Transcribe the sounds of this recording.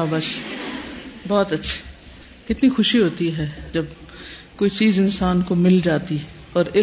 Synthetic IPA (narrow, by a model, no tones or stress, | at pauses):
abɐʃ | bɔːt̪ɐtːʃʰi̥ | kɪt̪nixʊʃiɦoːt̪iɦɛːd͡ʒɐbkoːit͡ʃiːzɪnsaːnkomɪld͡ʒaːt̪i | ɔːɾɪ